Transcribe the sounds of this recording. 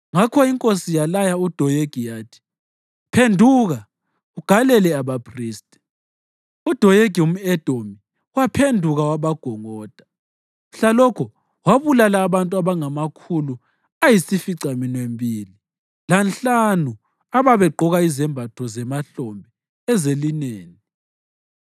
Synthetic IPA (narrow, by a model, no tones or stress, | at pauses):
ŋakʰɔiŋkʼosijalajaud̥ʱɔjeɡ̥ʱijaːtʰi̥ | pʰendʱuːɣa | uɡ̥ʱalɛlɛaβapʰriːstʼɛ | ud̥ʱɔjeɡ̥ʱium̩ɛd̥ʱomi | wapʰendʱuɣawaβaɡ̥ʱɔŋɔːd̥ʱḁ | ɬalɔkʰɔ | waβulalaːβantʼuaβaŋamakʰulu | ajisifiǀaminwembʱiːli | lanɬanu | aβaβɛǃʱɔɣaizɛmbʱatʰɔzɛmaɬɔmbʱɛ | ɛzelineːni